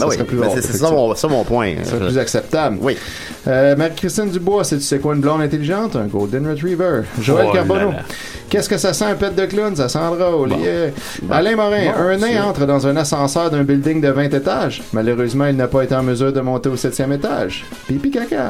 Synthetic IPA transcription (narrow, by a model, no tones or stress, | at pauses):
sasʁɛplyo̰ssɔmɔ̃pwɛ̃ssʁɛplyzaksɛp̚t̪ablwi | əmaʁikʁist̪ɪnd̪ybwasɛt̪y̥sɛkwaynblɔ̃d̪ɛ̃t̪eliʒɑ̃t̪ɛ̃ɡold̪ənʁet̪ʁivœʒoɛlkaʁbɔno | kʲɛskəsasãɛ̃pɛt̪̚d̪əklɪns̬asɑ̃ːd̪ʁaole | alɛ̃mɔʁɛ̃œ̃nɛ̃ɑ̃ːt̪ʁəd̪ɑ̃zɛ̃nasɑ̃ːsœːʁd̪ɛ̃bɪld̪ɪŋd̪əvɛ̃t̪et̪aʒ | malœʁøːzmɑ̃ilnapaet̪eɑ̃məzyːʁd̪əmɔ̃t̪eosɛt̪jɛmet̪a̰ːʒ | pipikaka